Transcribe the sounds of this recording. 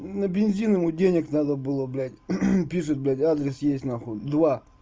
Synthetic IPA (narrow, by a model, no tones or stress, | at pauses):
nɐbʲɪnʲzʲinəmʊdʲenʲɪknad̪əbɨlˠoblʲatʲpʲiʂɨt̪̚blʲatʲad̪ɾʲɪsjesʲtʲnaxod̪va